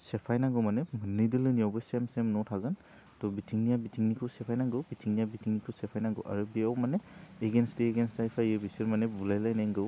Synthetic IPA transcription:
sɛpʰajnaɡɯwmanɛmɯnːɯjdɯlɯnijɔwbɯjsemsemnɔtʰaɡɯn | tɔbitʰiŋnijabitʰiŋnikʰɯwsɛpʰajnaɡɯwbitʰiŋnijabitʰiŋnikʰɯwsɛpʰajnaɡɯ̰wʔa̰ɹɯbiawmaneeɡenstieɡensajpʰajɯbisiɾmanebulajlajnaŋɡɯw

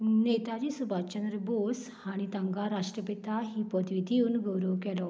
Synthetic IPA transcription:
net̪ad͡ʑisubʱat͡ɕənɾəbos | aɽ̃it̪ãŋɡaɾaʂʈɾəpet̪aɦiːpəd̪ʋid̪ʱiuːnɡəwɾəʋkɛlɔ

